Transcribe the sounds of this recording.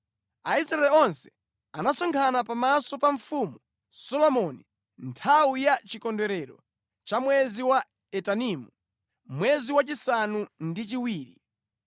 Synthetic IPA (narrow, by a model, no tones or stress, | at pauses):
aisɾaɛlɔnsɛ̥ | anasɔŋkʰanapamasɔpaɱfumu | sɔlɔmɔni | ntʰawujat͡ʃikɔndwɛɾɛɾɔ | t͡ʃamwɛziwa | ɛtanimu | mwɛziwat͡ʃisanundit͡ʃiwiːɾi